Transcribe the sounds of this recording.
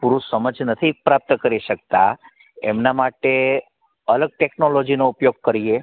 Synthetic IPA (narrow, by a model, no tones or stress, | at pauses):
puɾusəməd͡ʒnət̪ʰipɾap̚t̪kəɾiʃək̚t̪a̰ | ḛmnamaʈe | ələɡ̚ʈeknolod͡ʒinoupjoɡ̚kəɾie